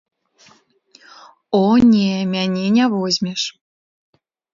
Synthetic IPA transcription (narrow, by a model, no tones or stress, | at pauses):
onʲemʲænʲenʲæβozʲmʲeʃ